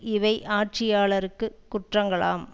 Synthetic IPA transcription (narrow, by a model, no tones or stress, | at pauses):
ɪʋɐɪʔaːʈ̚t͡ʃɪjaːɭɐɾɯkːɯkʊʈrɐŋɡɐɭa̰ːm